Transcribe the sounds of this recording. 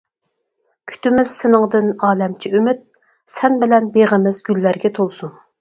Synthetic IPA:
kʲʰy̥t̪ʰɪmɪz̥sɪnɨŋd̪ɨnɑːlɛmt͡ʃʰiymyt̪̚ | sɛnbɪlɛnbeʁəmɪzɡʲylːæɾɡʲɛt̪ʰolˠsuŋ

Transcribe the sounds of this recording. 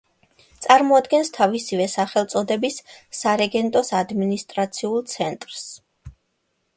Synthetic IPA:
t̪sʼaɾmɔad̪ɡɛnst̪ʰavisivɛsaχɛlˠt̪sʼɔd̪ɛbisːaɾɛɡɛnt̪ʼɔsad̪minist̪ʼɾat̪sʰiulˠt̪sʰɛnt̪ʼɾs

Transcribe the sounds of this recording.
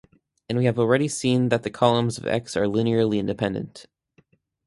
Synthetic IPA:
ɨ̃nwiɨvl̩ˠɹɛɾisĩnðɨt̪̚ðɨkʰɑlˠə̃mzʌvɛ̰ksə˞lɪniɛɹlˠiɪ̃ndɨpʰɛ̃ndɨ̰̃nt

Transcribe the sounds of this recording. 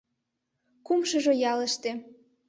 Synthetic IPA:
kumʃɤ̆ʒojɑlə̆ʃt̪e

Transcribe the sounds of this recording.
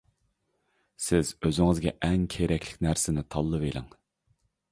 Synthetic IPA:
sɪzøzɪŋɨzɡʲɛ̰ʔɛŋkʲʰeɾɛkʲʰlɪ̥kʲnæɾsɪnɪt̪ʰɑlˠːɨvelˠɪ̰ŋ

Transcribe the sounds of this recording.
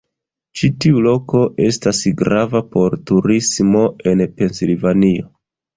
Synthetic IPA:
t͡ʃitiulo̞ko̞ʔe̞stasɡɾavapo̞ɾtuɾismo̞e̞npe̞nsilvanio̞

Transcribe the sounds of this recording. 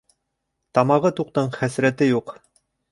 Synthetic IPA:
t̪ɑmɑʁɤt̪uq̚t̪ɤɴχæsɾæt̪ɘjuq

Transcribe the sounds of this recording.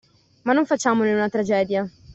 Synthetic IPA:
manːoɱfat͡ʃːaːmoneunat̪ɾad͡ʒɛːd̪ja

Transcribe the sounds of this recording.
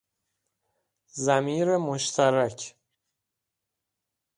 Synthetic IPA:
zæmiːɾemoʃt̪ʰæɾæcʰ

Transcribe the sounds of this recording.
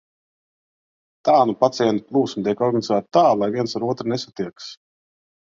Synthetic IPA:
t̪aːnupat̪sijɛnt̪u̥plˠuːsmt̪iɛkɔɾɡanizæːt̪̚t̪aːlˠajviɛnsaɾuɔt̪ɾnesat̪iɛks

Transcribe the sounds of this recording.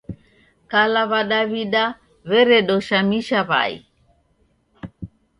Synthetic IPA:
kalaβaɗaβiɗa | βɛɾɛɗɔʃamiʃaβa̰ḭ

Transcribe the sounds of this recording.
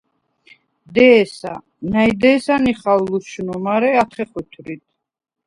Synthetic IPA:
d̪ɛːsa̰ | najd̪ɛːsaniχalːuʃunumaɾɛat̪ʰχɛχwit̪ʰɾit̪ʰ

